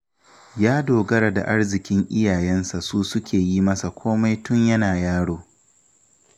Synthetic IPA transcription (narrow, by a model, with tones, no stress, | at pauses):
jaː˦doː˨ɡɐ˦ɾa˨da̰˨ʔa˦rzɪ˨kʲɪ˦ŋʔɪ˦jaː˨jɛ˦nsa˨suː˦sʊ˦kʲʰeː˨jiː˦mɐ˦sa˨kʷʰoː˦ma˦jtʊ˦ɲjɐ˦naː˨jaː˦ɽoː˦